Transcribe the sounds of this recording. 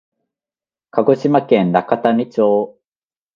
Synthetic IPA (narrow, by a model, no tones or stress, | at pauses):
kʰaɡo̞ɕimakẽnnakat̪anʲit͡ɕoː